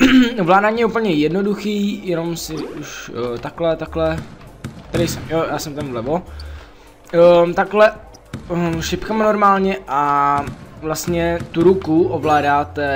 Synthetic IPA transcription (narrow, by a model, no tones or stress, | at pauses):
vlaːdaːɲjɛupl̩ɲɛjɛdnoduxiːjɛno̞msɪʔuʃt̪aklɛt̪aklɛ | t̪ɛdɪjsɛmjojaːsɛmt̪anvlɛvo | t̪aklɛ | ʃɪpkamnoɾmaːlɲɛʔa | vlast̪ɲɛt̪uɾukuʔovlaːdaːt̪ɛ